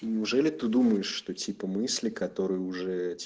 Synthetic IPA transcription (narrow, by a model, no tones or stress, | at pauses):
nʲɪʊʐɛlʲɪt̪ɨd̪uməjɪʂːt̪otʲipəmɨsʲlʲɪkɐt̪oɾɨjəʊʐɛtʲ